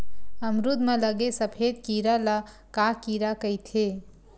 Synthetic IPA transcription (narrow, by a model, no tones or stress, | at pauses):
əmɾud̪mẽləɡesəpʰeːd̪̚kiːɾala | kakiːɾakəjt̪ʰe